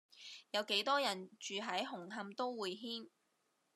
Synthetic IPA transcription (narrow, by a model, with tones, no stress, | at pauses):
jɐ˨˧wke˨˥jt̪ɔː˥jɐ˨˩nt͡ʃyː˨ɦɐ˨˥jɦʊ˨˩ŋɦɐ˧mt̪o˥wwuː˨jɦiː˥n